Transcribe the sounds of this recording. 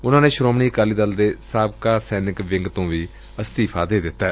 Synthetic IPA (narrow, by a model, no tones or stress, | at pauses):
ʊnãːneːʃɾoːmniːkaːliːd̪əld̪eːsaːbkaːsɛːnɪkʋɪŋɡt̪õːʋiː | əst̪iːpʰaːd̪eːd̪ɪt̪ːɛː